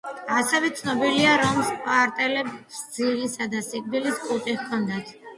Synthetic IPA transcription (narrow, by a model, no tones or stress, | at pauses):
asɛvɛt̪sʰnɔbiliaɾɔmspʼaɾt̪ʼɛlɛbsd̪zilisad̪asikʼbiliskʼut̪ʼiχkʰɔnd̪at̪ʰ